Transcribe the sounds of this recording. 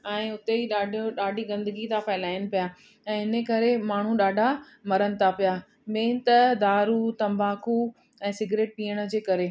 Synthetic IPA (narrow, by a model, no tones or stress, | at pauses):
ɛ̃ːʊt̪eiːɗaːɖʱɗaːɖʱiɡɐ̃nd̪əɡit̪ãfaːɪlaːɪnɪ̆pija | ɛ̃ːɦɪnəkɐɾemaːɳ̤ũɗaːɖʱa | mɐɾənɪ̆t̪ʰapija | mẽːt̪ɐd̪aːɾut̪ɐ̃mbʱaːkʰu | ɛ̃ːsɪɡɾeːʈ̚piːəɽ̃əd͡ʑeːkɐɾe